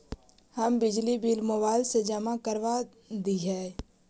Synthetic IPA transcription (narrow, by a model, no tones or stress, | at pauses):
həmbɪd͡ʒlibiːlmobaːɪlsed͡ʒəmakəɾʋa | d̪iɦɛː